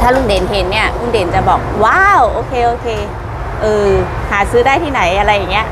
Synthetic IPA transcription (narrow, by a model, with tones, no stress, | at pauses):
t̪ʰaː˥˩lu˧˩ŋdeː˨˦nɦe˨˦nːi˧˥˩ɐlu˧˩ŋdeː˨˦nt͡ɕa˨˩bɔː˨˩k̚waː˧˥˩wʔoː˧˦kʰeː˧ʔoː˧kʰeː˧ | ʔɤː˧ | haː˩˦sɯː˦˥daː˥˩jt̪ʰiː˥˩na˩˦jʔa˧ɾa˧˩jːa˨˩ŋi˦˥ɐ˧ʔ